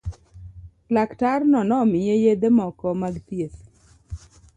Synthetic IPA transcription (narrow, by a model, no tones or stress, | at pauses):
laktarnɔnɔmɪjejed̪emɔkɔmaɡt̪jes